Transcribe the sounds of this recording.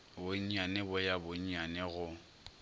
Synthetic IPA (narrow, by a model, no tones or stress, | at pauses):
boɲ̩ɲanɪbʊjabʊɲ̩ɲanɛɣʊ